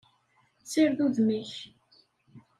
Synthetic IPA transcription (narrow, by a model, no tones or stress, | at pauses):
t͡sːiɾðuðmiç